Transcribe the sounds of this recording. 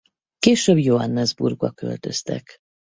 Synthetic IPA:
keːʃøːbjoɦɒnːɛzburɡbɒ̰kø̞̰lt̪ø̞st̪ɛ̰k

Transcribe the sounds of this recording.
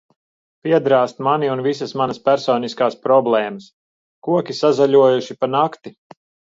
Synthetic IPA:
pʲiɛd̪ɾaːst̪maniunvisɐsmanɐspæɾsɔːniskaːspɾɔblˠɛːmɐs | kuɔkʲisazaʎʲuɔjuʃipanakt̪i

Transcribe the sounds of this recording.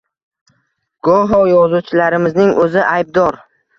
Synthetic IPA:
ɡ̥ɒɦɒjɒzut͡ʃʰɪlaɾɪmɪznɪŋʔɵzɪʔajb̚d̪ɒɾ

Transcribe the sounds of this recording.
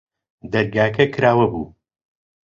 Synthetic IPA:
d̪ɐɾɡaːkʰɐkʰɾaːwɐbṵː

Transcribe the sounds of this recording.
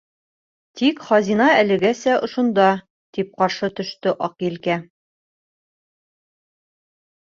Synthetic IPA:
t̪ikχɒzinɑælɘ̆ɡæsæʔŏʃŏnd̪ɑ | t̪ip̚qɒɾʃɤt̪ɵ̆ʃt̪ɘʔɒqiɘlkæ

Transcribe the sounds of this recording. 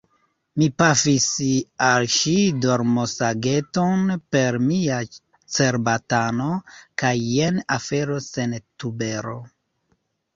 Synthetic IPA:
mipafisalʃidoɾmosaɡe̞to̞npe̞ɾmia | t͡se̞ɾbatanokajːenafe̞ɾo̞sentube̞ɾo

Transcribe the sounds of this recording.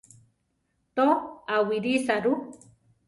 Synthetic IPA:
t̪oawiɾisaɾu

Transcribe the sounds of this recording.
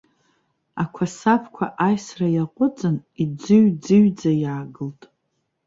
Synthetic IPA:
akʷʰasapʰkʷʰa̰ʔajsrajaqʷʼʊt͡sʼɨnid͡zɨɥd͡zɨɥd͡zajaːɡɨltʼ

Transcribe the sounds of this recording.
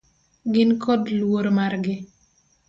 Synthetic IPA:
ɡɪnkɔdlwoɾmarɡɪ

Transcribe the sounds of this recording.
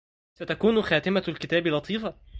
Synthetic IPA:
sæt̪ækuːnxæːt̪ɪmælkɪt̪æːbilɑt̪ˤʰiːfɑ

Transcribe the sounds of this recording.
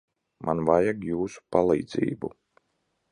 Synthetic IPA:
mʔa̰nvajaɡjuːsu̥palˠḭːd̪zḭːbu

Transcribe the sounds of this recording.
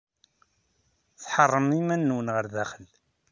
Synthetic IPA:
θħɑrˤːəmimænːunʁəɾðæχəl

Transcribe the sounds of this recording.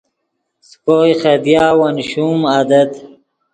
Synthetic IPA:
skoːjχed̪jaːwanɕumad̪ɐt̪

